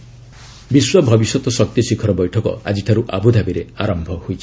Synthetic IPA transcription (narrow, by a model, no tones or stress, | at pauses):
biswɔbʱɔbisɔt̪ɔsɔk̚t̪isikʰɔɾɔbɔjʈʰɔkɔ̰a̰d͡ʒiʈʰaɾuʔabud̪ʱabiɾeaɾɔmbʱɔhojt͡ʃʰi̥